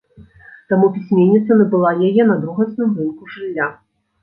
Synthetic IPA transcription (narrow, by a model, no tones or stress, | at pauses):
t̪amupʲisʲmʲenʲːit̪sɐnɐbɨlˠajajɛnɐd̪ɾuɣɐt̪snɨmrɨnkuʐɨlʲːa